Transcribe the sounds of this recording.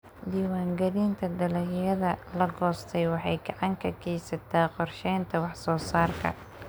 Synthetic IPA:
d̪iːwaːŋɡɐðiːnt̪ʰɐd̪ɐlɐjjɐðɐlɐɡɔːst̪ʰɛjwɑħɑjɡɑʕɑŋkʰɐkʰɛːsɐt̪ʰaːqɔrʃɛjnt̪ʰɐwɑħsɔːsaːrkʰɐ̰

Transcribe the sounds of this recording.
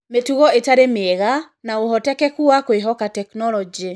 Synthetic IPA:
metuɣɔetaɾemeɛɣa | naohɔtɛkɛkuakoeɦɔkatɛknɔlɔd͡ʒi

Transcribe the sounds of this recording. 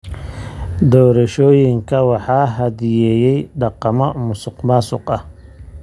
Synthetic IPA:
d̪ɔːɾɐʃɔːjɪŋkʰɐwɑħɑːɦɐdjɛːjɛjɖɑqɑmɔmʊsʊqmaːsʊ̰qɐh

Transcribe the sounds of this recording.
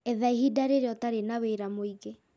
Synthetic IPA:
ɛðaiɦidaɾeɾeɔtaɾenaweɾamoiɣe

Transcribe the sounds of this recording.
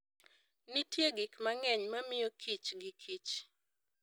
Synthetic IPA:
nitjeɡɪkmaŋɛɲmamɪjokʰit͡ʃɡɪkʰit͡ʃ

